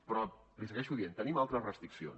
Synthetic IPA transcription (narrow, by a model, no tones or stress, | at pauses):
pɾɔ | lisəɣɛʃuðient̪ənimalˠt̪ɾəzrəst̪ɾiksio̰n